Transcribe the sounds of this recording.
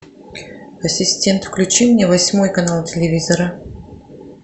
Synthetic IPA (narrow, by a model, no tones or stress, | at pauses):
ɐsʲɪsʲtʲe̞nt̪fklʲʉt͡ɕimnʲevɐsʲmojkɐnalˠtʲɪlʲɪvʲizəɾə